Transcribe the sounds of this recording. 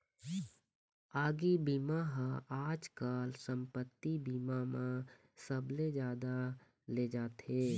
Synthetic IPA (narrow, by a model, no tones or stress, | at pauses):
aːɡibiːmaɦə̃aːd͡ʒkaːlsə̃mpət̪ːibiːmamã | səbled͡ʒjaːd̪a | led͡ʒaːt̪eː